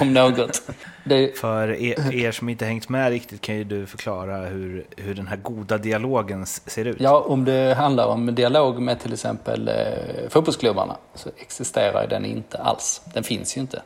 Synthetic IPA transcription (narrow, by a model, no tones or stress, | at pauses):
ɔmnoːɡɔt̪d̪ɛfœɾeːʂɔmɪnt̪əhɛŋt̪mɛɾɪk̚t̪ɪt̪̚kʰanjɵd̪ɵfœɾkʰlɑːɾahɵɾhɵɖɛnɦæːɾɡuːd̪ad̪ɪaloːɡənseːɾʉ̟ːtjɑːʔɔmd̪ɛɦand̪laɾɔmd̪ɪaloːɡmɛt̪ʰɪlɛksɛ̰mpə̰lfuːt̪̚bɔlskʰlɵba̰ɳa̰sɔʔɛksɪst̪eːɾa̰j̰d̪ɛnɪ̰nt̪ʰəʔa̰lsd̪̥ɛnfɪnsjɵɪnt̪ʰə